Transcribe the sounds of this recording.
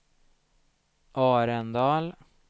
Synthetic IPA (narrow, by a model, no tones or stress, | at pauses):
ʔɑːɾənd̪ɑːl